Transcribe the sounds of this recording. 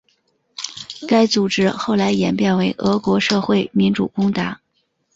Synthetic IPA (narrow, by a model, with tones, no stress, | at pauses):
ka˥ɪt͡su˨˩ʈ͡ʂɻ̩˥xo˥˩ʊla˧˥ɪjɛ˨˩npjɛ˥˩nwe˧˥ɪʔɤ˧˥kwɔ˧˥ʂɤ˥˧xwe˥˩ɪmi˧˥nʈ͡ʂu˨˩kʊ˥ŋt̪a̰˧˥